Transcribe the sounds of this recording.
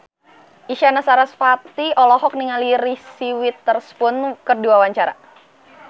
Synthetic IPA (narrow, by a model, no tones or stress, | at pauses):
ʔiʃanasaɾasfat̪iɔlɔɦɔk̚niŋaliɾisiwit̪ːərspʊnkərduawaɲt͡ʃaɾa̰